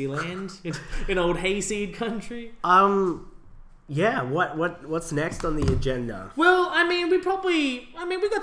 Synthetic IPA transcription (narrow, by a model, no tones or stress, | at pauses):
ilæ̃nndɨ̃nɨ̃noʊlˠd̚ɦeɪsid̚kʰʌ̃nt͡ʃɹ̥iʌ̃m | jæwʌt̚wʌt̚wʌtsnɛkstn̩ðiɨd͡ʒɛ̃ndə̰wɛlˠaɪmĩnwipʰɹ̥ɑbəbliaɪmĩnwiɡɑt